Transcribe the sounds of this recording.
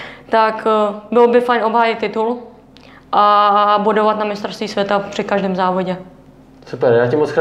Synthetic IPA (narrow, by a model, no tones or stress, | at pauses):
t̪akbɪlbɪfajnʔo̞bɦaːjɪt̪t̪ːɪt̪ul | ʔabudovat̪namɪst̪ɾost̪viːsvʲjɛt̪apr̥ɪkaʒdɛːmzaːvoɟɛ | supɛɾjaːcɪmot͡sx